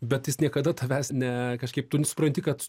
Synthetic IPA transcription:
bʲɛt̪jɪsnʲiɛkɐd̪ɐt̪ʰɐʋʲæːsnʲɛkɐʃkɐɪp̚t̪ʊnʲsʊ̥pɾɐnʲt̪ʲɪkɐt̪

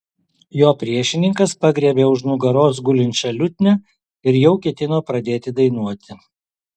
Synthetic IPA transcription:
joːpʲɾʲiɛʃʲɪnʲɪŋkɐspɐɡɾʲiɛbʲeːʊʃnʊɡɐɾoːs̬ɡʊlʲɪnʲt͡ʃʲɛlʲʊt̪ʲnʲɛ | ɪɾjɛʊkʲiɛt̪ʲɪnoːpɾɐd̪ʲeːt̪ʲɪd̪ɐɪnuɔt̪ʲɪ

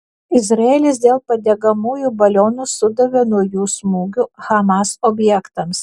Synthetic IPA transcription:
ɪzɾɐeːlʲɪs̬d̪ʲeːlˠpɐd̪ʲɛːɡɐmuːjuːbɐlʲoːnusʊd̪ɐʋʲɛnuɔjuːsmuːɡʲuxɐmɑsɔbʲjɛkt̪ɐms

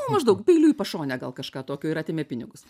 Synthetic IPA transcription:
mɐʒd̪ɐʊkpʲɛɪlʲuːipɐʃoːnʲɛɡɐlˠkɐʃkɑːt̪oːkʲoːɪɾɐːt̪ʲeːmʲɛpʲɪnʲɪɡʊs

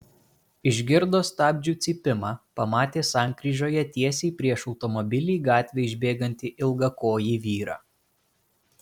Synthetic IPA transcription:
ɪʒʲɡʲɪɾd̪oːst̪ɑːbʲd͡ʒʲuːt̪sʲiːpʲɪmɑːpɐmɑːt̪ʲeːsɑˑŋʲkɾʲiːʒʲoːjɛt̪ʲiɛsʲeɪpʲɾʲiɛʃɒʊt̪ɔmɔbʲɪlʲiːɡɑːt̪ʲʋʲeɪʒʲbʲeːɡɐnʲt̪ʲiʔɪlˠɡɐkoːjiːʋʲiːɾɑ̰ː

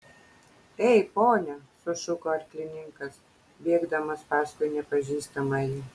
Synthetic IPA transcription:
ɛɪpoːnʲɛsʊʃʊkoːɐɾʲklʲɪnʲɪŋkɐs | bʲeːɡd̪ɐmɐspɑːskʊjnʲɛpɐʒʲiːst̪ɐmɐjɪ

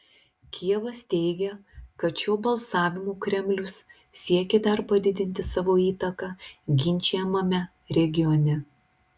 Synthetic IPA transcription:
kʲiɛʋɐst̪ʲɛɪɡʲɛkɐt̪ʃʲoːbɐlˠsɑːʋʲɪmuːkɾʲɛmʲlʲʊs | sʲiɛkʲɛd̪ɐɾpɐd̪ʲɪd̪ʲɪnʲt̪ʲɪsɑːʋoːiːt̪ɐkɑɡʲɪnʲˑt͡ʃʲɛɛmɐmʲɛ | ɾʲɛɡʲɪjɔnʲɛ

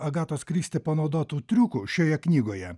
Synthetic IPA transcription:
ɐɡɑːt̪oːskɾʲiːst̪ʲɪpɐnɒʊd̪oːt̪uːt̪ʲɾʲuːkuʃʲoːjɛknʲiːɡoːjɛ

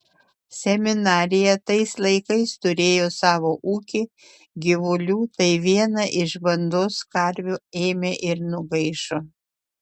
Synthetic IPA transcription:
sʲɛmʲɪnɑːɾʲɪjɛt̪ɐɪslˠɐɪkɐɪst̪ʊɾʲeːjoːsɑːʋoːʔuːkʲɪ | ɡʲɪʋʊlʲuːt̪ɐɪʋʲiɛnɐʔɪʃbɐnd̪oːskɐɾʲʋʲueːmʲeʔɪɾnʊɡɐɪʃoː

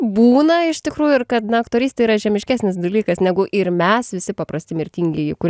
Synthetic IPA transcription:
buːnɐɪʃt̪ʲɪkɾuːjʊɪrkɐt̪nɐɐkt̪oːɾʲiːst̪ʲɐiːɾɐʒʲɛmʲɪʃʲkʲæːsʲnʲɪs̬d̪ɐlʲiːkɐsnʲɛɡʊʔɪɾmʲɛsʋʲɪsʲɪpɐpɾɐsʲt̪ʲɪmʲɪɾʲt̪ʲiːŋʲɡʲɛjɪkʊɾʲ

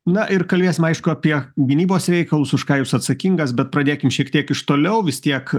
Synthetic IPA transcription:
nɐʔɪrkɐlʲbʲeːsʲɪmɐɪʃkʊɐpʲiɛɡʲɪnʲiːboːsɾʲɛɪkɐlˠʊsʊʃkɑːjuːsɐt̪sɐkʲiŋɡɐsbʲɛt̪̚pɾɐd̪ʲeːkʲɪmʃʲiɛkt̪ʲiɛkɪʃt̪oːlʲɛʊʋʲɪst̪ʲiɛk

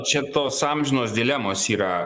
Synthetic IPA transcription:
t͡ʃɛt̪ɔsamʒnɔzd̪ilʲamɔsiɾa

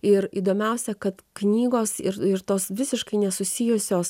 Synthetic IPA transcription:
ɪɾiːd̪oːmʲɛʊsʲɛkɐt̪knʲiːɡoːsɪɾɪɾt̪oːsʋʲɪsʲɪʃkɐɪnʲɛsʊsʲɪjʊsʲoːs

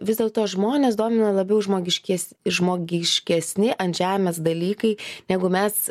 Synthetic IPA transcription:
ʋʲɪzd̪ʲeːlˠt̪oːʒmoːnʲeːsd̪oːmʲɪnɐlˠɐbʲɛʊʒmoːɡʲɪʃʲkʲɛs | ʒmoːɡʲɪʃʲkʲɛsʲnʲɪʔɐnʒʲæːmʲɛsd̪ɐlʲiːkɐɪnʲæːɡʊmʲɛs

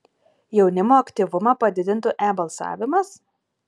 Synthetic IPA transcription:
jɛʊnʲɪmoːɐkʲt̪ʲiʋʊmɐpɐd̪ʲɪd̪ʲɪnt̪ʊʔæːbɐlˠsɑ̰ːʋʲɪmɐs

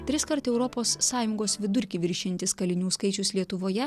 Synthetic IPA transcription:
t̪ʲɾʲɪskɐɾt̪ɛʊɾɔpoːsːɑːjʊŋɡoːsʋʲɪd̪ʊɾʲkʲiʋʲɪɾʲʃʲɪnʲt̪ʲɪskɐlʲɪnʲuːskɐɪt͡ʃʲʊslʲiɛt̪ʊʋoːjɛ

